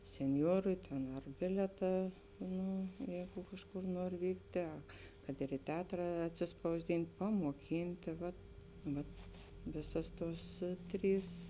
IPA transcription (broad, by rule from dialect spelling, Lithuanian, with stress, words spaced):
sʲɛnʲˈjoːrʊɪ tʲɛn ɐr ˈbʲɪlʲiɛtɑː ˈnʊ ˈjɛɪɡʊ ˈkɑːʃˌkʊr ˈnuɔr ˈʋʲiːktʲeː ˈɐ kɐt ɪr ɪ ˈtʲɛɐtrɐ ɐtʲsʲɪspɐʊzʲˈdʲɪnʲtʲ pɐmuɔˈkʲiːnʲtʲeː ʋɐt ˈʋɐt ˈʋʲeːsɐs ˈtuɔs ˈtʲrʲiːs